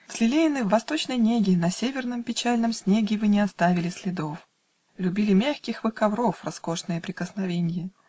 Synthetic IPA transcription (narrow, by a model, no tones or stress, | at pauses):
vz̥ʲlʲɪlʲeɪnɨvːɐst̪o̞t͡ɕnəjnʲeɡʲɪnɐsʲevʲɪrnəmpʲɪt͡ɕælʲnəmsʲnʲeɡʲɪvɨnʲɪɐst̪avʲɪlʲɪsʲlʲɪd̪o̞f | lʲʉbʲilʲɪmʲaxʲkʲɪxvɨkɐvɾo̞frɐsko̞ʂnɨjəpɾʲɪkəsnɐvʲenʲɪjə